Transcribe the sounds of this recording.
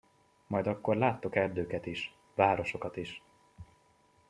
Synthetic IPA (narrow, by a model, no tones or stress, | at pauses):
mɒjd̪ɒkːo̞rlaːt̪ːo̞kɛrd̪øːkɛt̪iʃ | vaːɾo̞ʃo̞kɒt̪iʃ